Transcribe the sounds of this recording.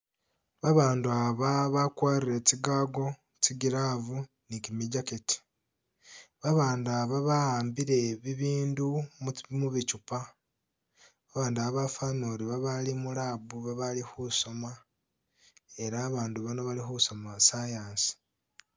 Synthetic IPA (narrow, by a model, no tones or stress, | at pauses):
βaβaːnduaβaβakwaːɾiɾe̞ciɡaːɡo̞ | t͡ʃiɡiɾavu | nikimiɟaketi̥ | βaβaːndaβaβaaːmbiɾe̞βiβiːndummuβicupa | βaβaːnduaβafanoɾiβaβalimulaːbuβaβalixuso̞ma | e̞ɾaːβaːnduβano̞βalixuso̞masajaːnsi̥